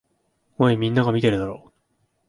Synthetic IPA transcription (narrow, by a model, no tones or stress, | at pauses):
oimʲĩnːaɡamʲit̪e̞ɾɯ̟d̪aɾoː